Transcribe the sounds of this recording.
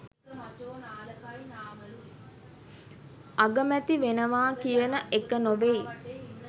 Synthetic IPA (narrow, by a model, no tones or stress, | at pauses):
aɡəmæt̪iʋenəʋaːkijənəʔekənoʋej